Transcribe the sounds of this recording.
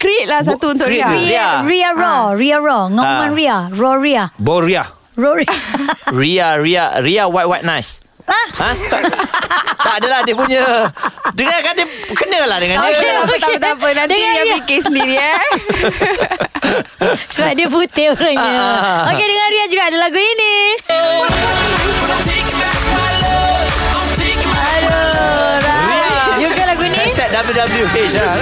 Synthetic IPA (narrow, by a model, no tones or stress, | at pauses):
kɾit̪̚lahs̬at̪uunt̪ʊiaiariarɔriaɾɔŋɔ̃mãnɾiarɔɾiabɔɾia | rɔiariaɾiaɾiawat̪̚wajt̪̚nas | ãhã | t̪adəlahdiəpuɲə | dəŋakandiəkənəlahdəŋãnkeok̪aeət̪apənãndəiaãipaikisəndiɾia | səbadiəput̪eoɾaŋɲə̃okedəŋanɾiad͡ʒuɡaʔadəlaɡuini | sika | alo | ti | alo | la | d͡ʒuɡalaɡuinisɛt̪̚dabəljudabəljupe